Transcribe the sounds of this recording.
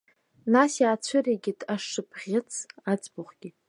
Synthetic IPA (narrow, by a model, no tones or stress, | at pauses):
nasjaːt͡ɕʷʰɨreɡʲɪtʰʼaʂɨpʰʁʲɪt͡sʰad͡zbʊχɡʲɪ